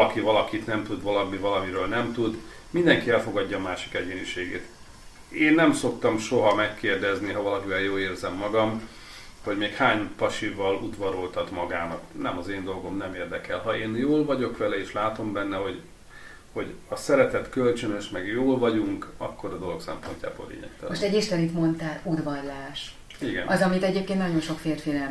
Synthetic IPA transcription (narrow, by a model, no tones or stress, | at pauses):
ɒkivɒlɒkit̪nɛmt̪ud̪vɒlɒmivɒlɒmiɾøːlnɛmt̪ud̪ | mind̪ɛŋkiɛlfo̞ɡɒɟːɒːmaːʃi̥kɛɟeːniʃeːɡḛːt̪ | eːnːɛmso̞kt̪ɒmʃo̞ɦɒmɛkːeːrd̪ɛzniɦɒvɒlɒkivɛljoːleːrzɛmːɒɡɒm | ho̞ɟmeːkhaːɲpɒʃivɒlud̪vɒɾolt̪ɒt̪mɒɡaːnɒknɛmɒzeːnd̪o̞lɡo̞mnɛmeːrd̪ɛkɛlɦɒeːnjoːlvɒɟo̞kʋɛlɛeːʃlaːt̪o̞mbɛnːɛɦo̞ɟ | ho̞ɟɒsɛɾɛt̪ɛt̪kølt͡ʃønøʃmɛɡjoːlvɒɟuŋkɒkːo̞ɾɒd̪o̞lo̞ksɛ̰mpo̞nca̰ːbo̰lḛːɲɛ̰kt̪moʃt̪ɛɟiʃt̪ɛnit̪mo̞nt̪aːlud̪vɒrlaːʃ | iɡɛ̰nɒzɒmit̪ɛɟeːp̚keːnnɒɟo̞nʃo̞kfeːrfiːnɛ